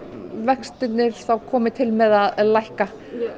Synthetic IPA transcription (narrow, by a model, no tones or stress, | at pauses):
vɛkst̪ɪt̪nɪɾ̥θawkʰɔːmɪt̪ʰɪlmɛðaðlajhka